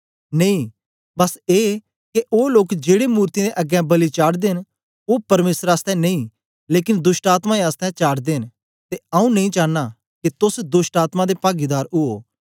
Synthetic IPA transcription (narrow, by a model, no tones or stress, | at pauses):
nɐĩ | bɐseː | keʔoːloːkd͡ʒeːɽemuːɾt̪id̪eʔɐɡɛ̃bɐlit͡ʃaːɽd̪eːn | oːpɐɾmeːsəɾaːst̪ɛ̃nɐ̃ĩ | leːkɪ̃nd̪ʊsʈaːt̪maeaːst̪ɛ̃t͡ʃaːɽd̪eːn | t̪eɐ̃ũnɐ̃ĩt͡ʃaːnːa | ket̪ʊsd̪ʊsʈaːt̪mãd̪epaːɡid̪aːɾʊɦoː